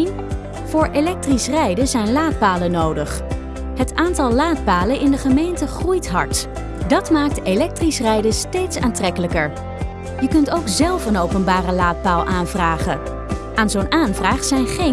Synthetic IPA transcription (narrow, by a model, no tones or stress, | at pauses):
n | v̥ʊːɹelɛk̚trisrɛjdəzɛjnlaːt̚paːlənowdəχ | ɦətaːntɑlˠlaːt̚paːlənɪndəχəmejntəχrujtɦɑɹt | dɑtmaːk̚telɛk̚trisrɛjdəstejtsaːntrɛkələkəɹ | jəkɵntowkzɛlˠfənowpənbaːrəlaːt̚paːlˠʔaːnvraːχə̰ | aːnzownʔaːnvraːχsɛjnχe